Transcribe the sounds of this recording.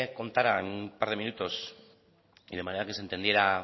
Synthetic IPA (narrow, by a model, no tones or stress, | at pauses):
ko̞nt̪aɾaenupaɾð̞e̞mĩnut̪o̞s | iðe̞maneɾakesent̪end̪je̞ɾa